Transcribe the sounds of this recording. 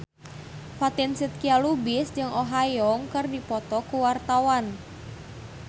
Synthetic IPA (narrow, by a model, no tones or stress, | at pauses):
fat̪ɪnsit̪̚kialubɪsd͡ʒɨŋʔoɦajɔŋkɨrdipɔt̪ɔkuwart̪awan